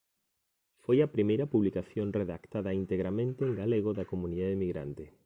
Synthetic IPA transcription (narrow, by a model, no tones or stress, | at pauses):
fojɐpɾimejɾɐpuβlikaθjonreðakt̪aðɐint̪eɣɾamẽnt̪eːŋɡaleɣ̞oðɐkomũniðaðemiɣɾa̰nt̪ɪ